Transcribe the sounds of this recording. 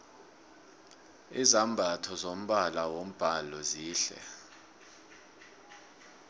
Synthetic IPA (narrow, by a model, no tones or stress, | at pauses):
izambʱatʰɔzom̩ɓalawom̩b̥ʱalɔziːɬɛ̰